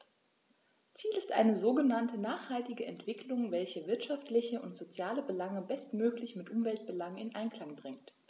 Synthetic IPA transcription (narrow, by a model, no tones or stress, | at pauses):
t͡siːlɪstʔa̰ɪnəzoːɡənantənaːχhaltɪɡəɛntv̥ɪklʊŋvɛlçəvɪɐtʃaftlɪçəʔʊntz̥ot͡sjaːləbəlaŋəbɛstmøːklɪçmɪtʔʊmvɛlt̚b̥əlaŋɪnʔa̰ɪnkl̥aŋbʁɪŋt